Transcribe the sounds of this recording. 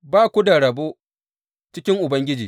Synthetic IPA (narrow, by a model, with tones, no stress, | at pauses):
baː˦kʷu˦da˨ɽɐ˨boː˦ | t͡ʃɪ˦kʲɪ˦ŋʔʊ˨bɐ˦ŋɡʲɪ˦d͡ʒḭː˨